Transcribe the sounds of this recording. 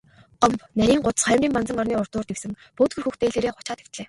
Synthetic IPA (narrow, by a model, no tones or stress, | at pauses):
ɔmpnæɾʲiːŋɢʊt̪ə̥̆sχœjmrʲiːmpant͡sə̆ŋɔrniːʊr̥t̪ʊːrt̪iksɘ̆ŋ | poːt̪ɡɘ̆rxuxt̪eːɮeːɾeːχʊ̥t͡ɕaːt̪e̥kt̪ɮeː